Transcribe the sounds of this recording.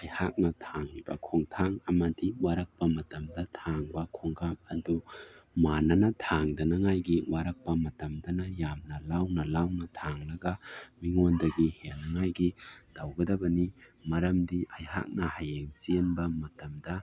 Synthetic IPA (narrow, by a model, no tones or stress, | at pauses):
ajhak̚nɐtʰaŋnibɐ̰kʰoŋtʰaŋɐmɐdiwaɾɐk̚pɐmɐtɐmdɐtʰaŋbɐkʰoŋkʰamɐdumanɐnɐtʰaŋdɐnɐŋajɡiwaɾɐk̚pɐmɐtɐmdɐnɐjamnɐlawnɐlawnɐtʰaŋnɐɡɐmiŋondɐɡihelnɐŋajɡid̥awɡɐdɐbɐnimɐɾɐmdiʔajha̰k̚nɐhajeŋsienbɐmɐtɐmdɐ